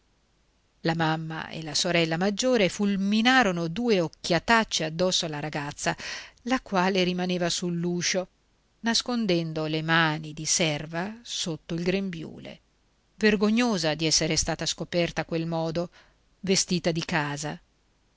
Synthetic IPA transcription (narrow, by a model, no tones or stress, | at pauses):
lamamːa̰ḛlasoɾɛlːamad͡ʒːoːɾefulminaːɾonod̪uːeokːjat̪at͡ʃːead̪ːɔsːoalaɾaɡat̪sːalakwaːleɾimaneːvasulːuːʃo | naskond̪ɛnd̪olemaːnid̪isɛrvasot̪ːoilɡɾembjṵːlḛ | verɡoɲːoːzad̪iɛsːeɾest̪aːt̪askopɛrt̪akwelmɔːd̪o | vest̪iːt̪ad̪ikaːza